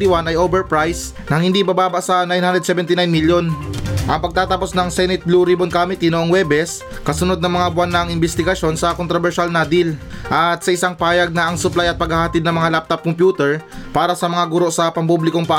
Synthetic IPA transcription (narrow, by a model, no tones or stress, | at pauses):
t̪ɪwanɐjʔoːbɛɹpɹajs | nɐŋhɪnd̪ibabaːbɐʔsɐnajnhand̪ɾɛd̪sɛbɛnt̪ɪnajnmiljonʔɐŋpɐɡ̚t̪aːt̪ɐpo̞snɐŋsɛnɪt̪̚bluɾibonkamɪt̪inoʔoŋwɛbɛs | kɐsʊno̞d̪nɐŋmɐŋabʊanːɐŋɪnbɛst̪ɪɡɐʃo̞nsɐkont̪ɾobɛɹʃalnad̪ɪlʔɐt̪̚sɐʔɪsaŋpaːjɐɡ̚nɐʔɐŋsʊplajɐt̪̚pɐɡhahɐt̪ɪd̪̚nɐŋmɐŋalap̚t̪ɐp̚kompjuːt̪ɛɹpaːɾɐsɐmɐŋaɡʊɾo̞ʔsɐpɐmpublɪkoŋpa